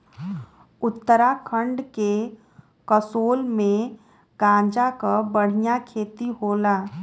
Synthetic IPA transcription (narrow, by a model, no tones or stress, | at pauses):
ʊt̪ːəɾakʰə̃ɳɖke | kəsoːlmẽ | ɡãːd͡ʒakabəɽ̤ijakʰeːt̪iɦoːlaː